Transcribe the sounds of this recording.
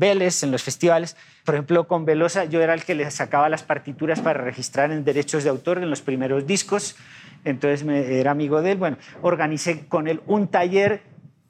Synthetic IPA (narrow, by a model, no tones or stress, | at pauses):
be̞lese̞nlo̞sfe̞st̪iβales | poɾexemplo̞ko̞mbe̞lo̞saʝo̞e̞ɾaelke̞lesakaβalaspaɾt̪it̪uɾaspaɾare̞xist̪ɾaɾe̞nd̪e̞ɾe̞t͡ʃo̞zðeawt̪o̞ɾenlo̞spɾime̞ɾozd̪iskos | ent̪o̞nsezmeeɾaːmiɣo̞ð̞e̞lbwe̞nooɾɣanise̞ko̞ne̞lunt̪aʝe̞ɾ